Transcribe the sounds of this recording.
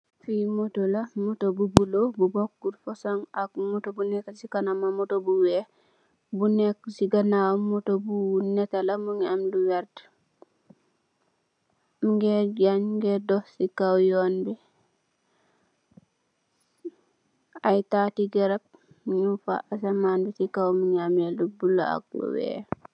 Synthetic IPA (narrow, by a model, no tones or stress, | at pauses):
fimotolamotobubulobubokːuɾfosaŋakmotobunɛkasikanamamotobuwɛ | bunɛksiɡanawmotobunɛtalamuŋamduwɛɾt | mɡɛɟaɲɡɛdɔhsikawjɔnbi | ajtaːtiɡɛɾap̚ | ɲufa̰ʔasamaːnbisikawmuɲameldubula̰a̰k̚lṵwɛ̰ː